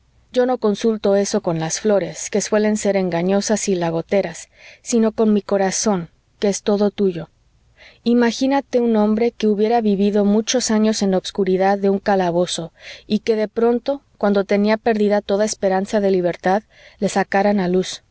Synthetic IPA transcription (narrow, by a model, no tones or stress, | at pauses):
ɟ͡ʝo̞no̞ko̞nsult̪o̞e̞so̞ko̞nlasflo̞ɾe̞ske̞swe̞le̞nse̞ɾe̞ŋɡaɲo̞sasilaɣ̞o̞t̪e̞ɾasː | ino̞ko̞nmiko̞ɾaso̞ŋ | keest̪o̞ðo̞t̪uʝo̞ | imaxinat̪e̞unõ̞mbɾe̞ke̞uβjeɾaβiβiðo̞mut͡ʃo̞saɲo̞se̞nlaoβskuɾiðaðːe̞uŋkalaβo̞so̞ike̞ðe̞pɾo̞nt̪o̞kwand̪o̞t̪e̞niape̞ɾðiðat̪o̞ðaespe̞ɾansaðe̞liβ̞e̞ɾt̪að | le̞sakaɾanalus